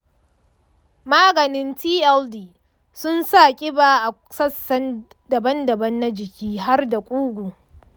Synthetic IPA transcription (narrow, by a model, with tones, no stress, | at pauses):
maː˦ɡɐ˨nɪ˦ntiː˦ʔɛ˦ldiː˨ | sʊ˦nsaː˦˨kʲʼɪ˦baː˨ʔa˨ | sɐ˦˨sɐ˦n | dɐ˨bɐ˦ndɐ˨bɐ˦nːa˦d͡ʒɪ˨kʲiː˦ɦa˦rda˨kʷʼuː˦ɡʷu˨